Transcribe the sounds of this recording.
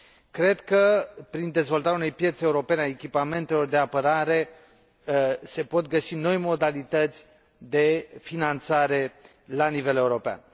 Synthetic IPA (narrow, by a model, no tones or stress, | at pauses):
kɾe̞d̪kəpɾind̪e̞zvo̞lt̪aɾʲjaune̞jpje̞t̪seeuɾo̞pe̞neaekʲipame̞nt̪e̞lo̞rd̪e̞apəɾaɾe̞ | se̞po̞t̪ɡəsino̞jmo̞d̪alit̪ət̪sʲ | d̪e̞finant̪saɾe̞ | lanive̞le̞uɾo̞pea̰n